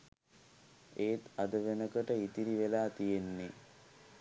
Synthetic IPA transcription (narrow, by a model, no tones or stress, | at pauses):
eːt̪ad̪əʋenəkəʈəit̪iɾiʋelaːt̪ijenːe